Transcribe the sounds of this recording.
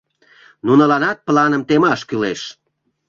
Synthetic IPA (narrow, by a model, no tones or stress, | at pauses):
nunəlɑnɑt̪̚plɑnəmt̪emɑʃkyleʃ